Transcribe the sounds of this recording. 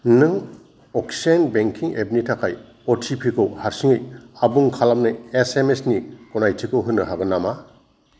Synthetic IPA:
nɯŋ | ɔksanbeŋkʰiŋḛbnitʰakʰaj | ɔtʰipʰikʰɯwhaɾsiŋɯjabuŋkʰalamnɯesemesnikɔnajtʰikɯwɦɯnːɯɦaɡɯnama

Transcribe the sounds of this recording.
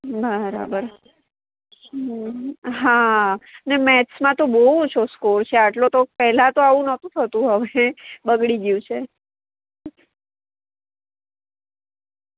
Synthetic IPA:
bəɾa̰bəɾ | ɦanemɛsmãt̪obəɦut͡ʃʰoskoɾt͡ʃʰeaʈlot̪opɛɦlãt̪oaʋũnət̪ũt̪ʰət̪ũɦəʋebəɡɽiɡjũt͡ʃʰe

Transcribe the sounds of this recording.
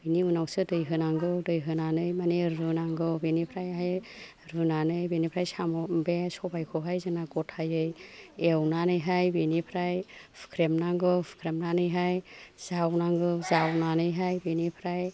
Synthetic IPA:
biniunawsɯdɯjɦɯnaŋɡɯdɯjɦɯnanɯjmaneɾɯnaŋɡɯbenipʰɾajaɦaj | ɾɯnanɯjbenipʰɾajsamɔbesɔbajkʰɯɦajzɯnaɡɔtʰhajɯjewnanɯjɦajbinipʰɾajpʰkʰɾemnaŋɡɯpʰkʰɾemnanɯjɦajz̥awnaŋɡɯzawnanɯjɦajbenipʰɾaj

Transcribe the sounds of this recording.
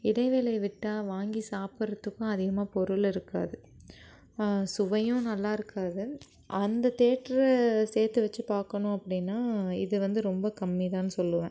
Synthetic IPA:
ɪɽɐɪʋeːlɐɪʋɪʈːaːʋaːŋɡisaːpɯɾɐt̪ːɯkːʊ̃ɐðɪɣɐmaːpɔɾʊlɪɾɯkːa̰ːðɯ | sʊʋɐjʊ̃nɐlːaːɪɾɯkʰːaːðɯ | ʔɐnd̪ɐt̪eːʈɾseːɾt̪ɯʋɐt͡ʃːɯpaːɾkɐɳʊ̃ɐpːɐɽɪnːaːɪðɯʋɐnd̪ɯɾɔmbɐkɐmːit̪ãːnːɯsɔlːɯʋɛ̃ː

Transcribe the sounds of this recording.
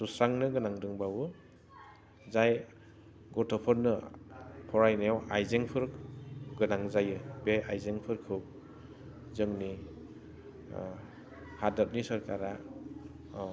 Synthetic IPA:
susɾaŋnɯɡɯnaŋdɯŋbawɯ | zaj | ɡɔtʰɔpʰɔɾnɯ | pʰɔɾajnajawajzeŋpʰɯɾɡɯnaŋzajɯbeajzeŋpʰɯɾkʰɯw | zɯŋni | hadat̚nisɔɾkaɾa

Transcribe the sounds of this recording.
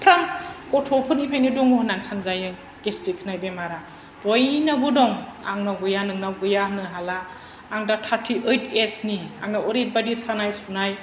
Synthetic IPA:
pʰɾamkɔtʰɔpʰɯnipʰajnidɔŋuhnansʰanzajɯ | ɡestikʰnajbemaɾa | b̥ɔjnabudɔŋa̰ŋnaɡujanɯŋnaɡujanɯɦalaː | ŋdatʰatʰiʔɯjtʰesnia̰ŋnaɔɾit̚badisanajsunaj

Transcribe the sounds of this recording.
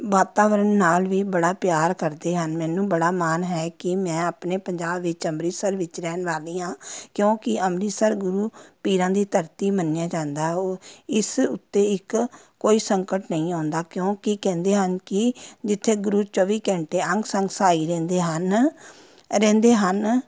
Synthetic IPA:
ʋaːt̪aːʋəɾənːaːlʋiːbəɽaːpjaːɾkəɾd̪eːɦənmɛ̃ːnũːbəɽaːmaːnɦɛːkɪmɛ̃ːaːpneːpəɲd͡ʒaːbʋɪt͡ʃəmɾiːsəɾʋɪt͡ʃɾɛːnʋaːlĩːãːkjõːkɪəmɾiːsəɾɡʊɾuːpiːɾãːd̪iːt̪əɾt̪iːmənjãːd͡ʒãːnd̪aːoːɪsʊt̪ːeːɪk | kːoːiːsəŋkəʈnəĩːãːnd̪aːkjõːkɪkɛ̃ːnd̪eːɦənkɪd͡ʒɪt̪ʰːeːɡʊɾuːt͡ʃɔːʋiːkɛ̃ːɳʈeːəŋɡsəŋɡsaːiːɾɛ̃ːnd̪eːɦən | ɾɛ̃ːnd̪eːɦən

